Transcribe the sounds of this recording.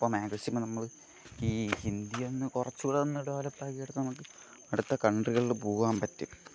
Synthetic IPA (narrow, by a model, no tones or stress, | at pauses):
pːomeːɡɐɕjɐmɨnɐmːɐɭ | iːind̪jɐonːɨkurɐt͡ɕːuɣuɽeðɐnːɐɽuʋaːlɐpːaːkijeɽut̪ːɐnɐmuk̬ːɨ | ɐɽut̪ːɐkɐɳɖriɣɐɭilbuːɣaːmpɐtːum